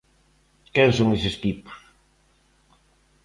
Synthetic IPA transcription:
kɛnsoŋesɪst̪ipʊ̥s

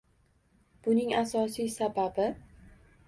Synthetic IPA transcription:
b̥ʊnɪŋasɒsijsababɪ

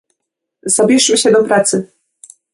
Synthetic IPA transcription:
zabʲjɛʂmɘɕɛd̪ɔpɾat̪sɘ

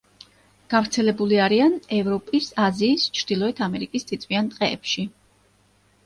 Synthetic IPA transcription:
ɡ̥avɾt̪sʰɛlɛbuliaɾianɛvɾɔpʼisaziːst͡ʃʰɾd̪̥ilˠɔɛt̪ʰamɛɾikʼist̪ʰit̪sʼwiant̪ʼqʼɛːpʃi

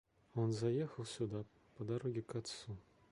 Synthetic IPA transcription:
onzɐjexəlˠsʲud̪a | pəd̪ɐɾoɡʲɪkɑt̪su

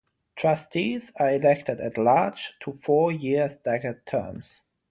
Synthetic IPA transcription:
tʰɹ̥ʌstʰizə˞ɪlɛk̚tʰɨdæ̰tlɑɹd͡ʒtʰəfɔːjɪɹzdæɡəd̚tʰɜ̰˞mz̥

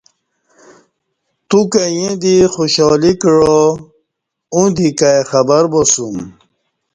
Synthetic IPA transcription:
t̪ukajẽd̪ixoɕɔːlikɻo | ũd̪ikajxɐbɐɾbosum

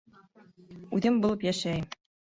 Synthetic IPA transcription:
ʉðɘmbulˠɤpjæʃæjm

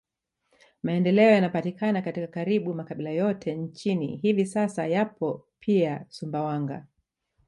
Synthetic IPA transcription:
maɛndɛlɛɔjanapatikʰanakatikakaɾiɓumakaɓilajɔtʰɛnt͡ʃinḭɦivisasajapɔpʰiasumbawaŋɡa̰

